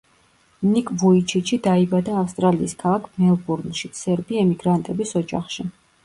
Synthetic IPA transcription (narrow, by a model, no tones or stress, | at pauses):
nikʼvuit͡ʃʰit͡ʃʰid̪aibad̪aːfst̪ʼɾaliːskʰalˠakʰnɛlˠbuɾnʃisɛɾbiɛmiɡɾant̪ʼɛbisɔd͡ʒa̰χʃi